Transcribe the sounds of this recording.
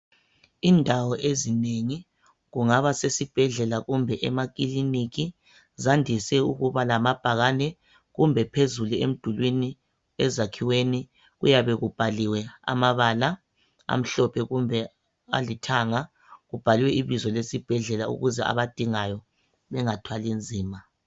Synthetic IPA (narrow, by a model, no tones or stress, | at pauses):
indʱawɔʔezineŋi | ɣuŋaβasesib̥ʱɛɮɛlaɣumbʱɛʔɛmak̬ʼiliniɣi | zandʱisɛuɣuβalamab̥ʱaɣanɛ | ɣumbʱɛpʰezuluḛm̩d̥ʱulwini | ɛzakʰiweni | ɣujaβɛɣub̥ʱaliwɛa̰maβala | a̰m̩ɬɔpʰɛɣumbʱɛ | a̰litʰaŋa | ɣub̥ʱaliwɛiβizɔlesib̥ʱɛɮɛlaṵɣuzɛa̰βad̥ʱiŋajɔ | βɛŋatʰwalind͡zʱiːma